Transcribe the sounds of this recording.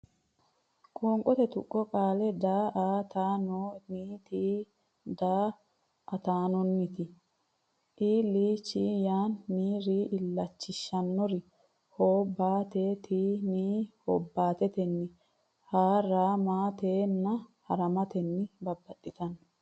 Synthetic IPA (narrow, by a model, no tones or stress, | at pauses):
kʼoːŋkʼɔt̪ɛt̪ʊkʼːɔkʼaːlɛd̪aːʔaːt̪aːnoːniːt̪iː | d̪aː | ʔɐt̪aːnɔnːɪt̪ɪ | ʔiːliːt͡ʃːiːjaːnːiːɾiːʔɪlːɐt͡ʃːɪʃːɐnːɔɾɪ | hoːbːaːt̪eːt̪ʰiːniːhɔ̰bːaːt̪ɛt̪ɛnːɪ | haːɾaːmaːt̪eːnːɐhɐ̰ɾɐmɐt̪ɛnːɪbɐbːɐt̪ʼːɪt̪ɐn